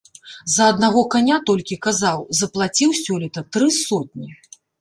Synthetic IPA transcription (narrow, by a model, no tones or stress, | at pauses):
zɐːd̪naɣɔkanʲat̪ɔlʲkʲikazawzɐplˠat͡sʲiwsʲɔlʲit̪ɐt̪ɾɨsɔt̪̚nʲi